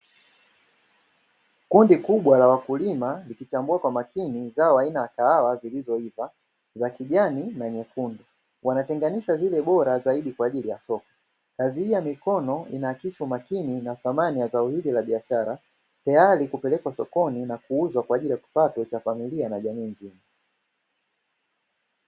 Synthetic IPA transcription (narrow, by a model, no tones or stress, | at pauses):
kundikuɓwalawakulimalikit͡ʃambuakwamakinizaɔainajakaawazilizɔiva | zakiʄaninaɲɛkundu | wanatɛŋɡaniʃazilɛɓɔɾazaiɗikwaːʄilijasɔkɔ̥ | kazihijamikɔnɔinaːkiʃumakininaθamanijazaɔhililaɓiaʃaɾa | tajaɾikupɛlɛkwasɔkɔninakuuzwakwaːʄilijaki̥patɔt͡ʃafamilianaʄamiːnzima